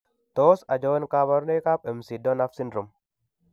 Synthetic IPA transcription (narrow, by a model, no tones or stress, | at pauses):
t̪oːsɐd͡ʒɔwɐnkaːbɐɾneːkaːpɪmsid̪ɔnɐfsɪnɾʊm